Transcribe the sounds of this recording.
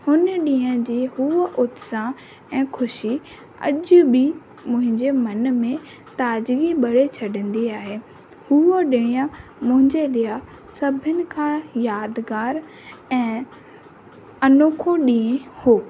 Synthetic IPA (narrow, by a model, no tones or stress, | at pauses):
hʊnɗĩːə̃d͡ʑiːɦuʔʊt̪sã | ɛ̃ːkʰʊʃi | ɐ̰ʄʊbi | mʊ̃ɦɪ̃ɲd͡ʑemɐnmẽ | t̪aːd͡ʑɡiɓɐɽet͡ɕʰɐɗə̃nd̪iaːɦeː | huoɗɪɽ̃ĩjãmʊ̃ɦɪ̃ɲd͡ʑelɪa | sɐbʱənɪ̆kʰãjaːd̪ɡaːɾ | ɛ̃ː | ɐnoːkʰõɗĩːẽhoː